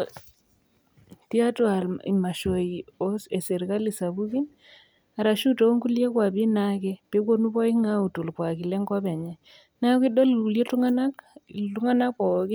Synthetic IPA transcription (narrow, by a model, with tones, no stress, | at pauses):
ti˦a˦twa˨li˨ma˨ʃo˨i˨ɔ˦sɛ˨sɛ˨ɾka˦li˨sa˨βu˦ki˦n | a˨ɾa˨ʃu˦to˨o˦ŋɡu˦ljɛ˦kwa˨bi˦na˦kɛ˦pe˦k̬wo˦nu˦βɔ˦i˦ŋa˦u˨tu˨lkwa˨ki˨lɛ˦ŋɡɔ˦bɛ˨ɲɛ˨ | na˦ki˦ɗɔ˦lu˨lje˦tu˦ŋa˦na˦ktu˦ŋa˦na˦kpɔ˨ki˦